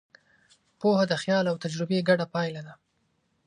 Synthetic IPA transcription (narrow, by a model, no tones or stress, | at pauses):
pohad̪əxjɑlawt̪ad͡ʒɾɪbeɡaɽapɑjlad̪a